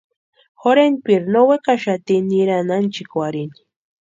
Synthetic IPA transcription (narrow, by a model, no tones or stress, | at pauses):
xoɾenpiɾnowekaʃat̪iniɾanant͡ʃɪkwaɾini